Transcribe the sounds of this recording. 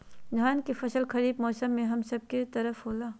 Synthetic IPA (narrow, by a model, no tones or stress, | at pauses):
d̪ʱaːnkifɐsəlkɐɾiːbmɔːsəmːẽɦɐmsɐb̚ket̪ɐɾəfɦoːlaː